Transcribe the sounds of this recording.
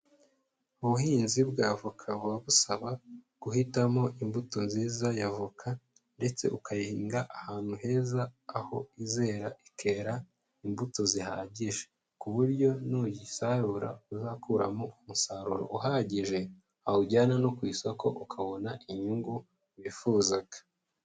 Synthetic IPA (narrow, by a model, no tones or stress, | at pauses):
uβuhiːnzibɡaːvukʰaβwaβusaβa | ɡ̥uhitamo̞ʔimbuto̞nziːzajavukʰa | nde̞t͡se̞̰ʔukajihiːŋɡaʔahaːn̥huɦe̞ːzaːho̞̰ize̞ːɾaʔikʰe̞ɾa | imbuto̞ziha̰ːɟiʒe | kuβuɾɟo̞nujisaɾuɾa̰uzakʰuɾa̰moumusaɾṵɾo̰ʔuɦaːɟiʒe̞ | ahuɟaːnanokwiːsoko̞̰ʔukʰaβonaʔiɲuŋɡu | jifuːzaɡa